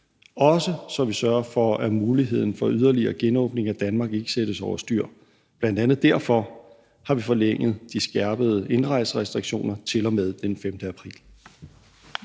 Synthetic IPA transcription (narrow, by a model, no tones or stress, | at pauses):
ɒ̽səsɒ̽mʋisɶɐɐfɒæmuːliɦe̝ð̰ˠn̩fɒ̽yð̞ˠɐliɐːɡ̥enɔ̰̽ːb̥ne̝ŋæd̥ænmɑ̈ːɡ̥e̝ɡ̥ə̥sed̥əsɒʊɐsd̥yɐ̰ | b̥lænd̥ænð̩ˠd̥æɐfɒ̽ | hɑ̈ʋifɒ̽leŋ̰ð̩ˠd̥isɡ̥æɐb̥əð̞̩ˠəe̝nʁɑ̈ɪ̰sʁɛsd̥ʁiɡ̥ɕo̝̰ːnɐt͡sʰe̝lɒ̽með̞ˠd̥enfemd̥əæpʰʁḭːl